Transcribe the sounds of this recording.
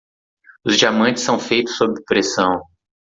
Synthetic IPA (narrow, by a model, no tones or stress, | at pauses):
ʊzd͡ʒiamɐ̃nt͡ʃɪsːɐ̃w̃fejt̪ʊ̥sːobɾɪpɾesɐ̃w̃